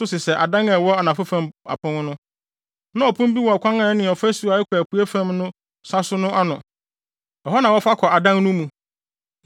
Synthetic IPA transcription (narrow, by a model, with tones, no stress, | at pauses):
sʊ˦sɪ˨sɛ˨ʔa˨dã˦ŋɛ˨wɔ˦a˨nã˨fa˦fã˨ma̰˨pʰʊ̃˦ŋ˦nʊ̃˦ | nã˦ɔ˨pʰʊ̃˦m˦bi˦wɔ˨a˨kʰʷã˦ŋã˨˦nɪ̃˨ɔ˨fæ˦su˨a˨ɛ˦kʰːpʰu˨e˦fã˦mnʊ̃˦ | sa˦sʊ˦nʊ̃˦ʔa˦nʊ̃˨ | ɔ˨ɦɔ˦nã˨wɔ˦fa˦kʰɔ˨a˨dã˦ŋnʊ̃˦mũ˨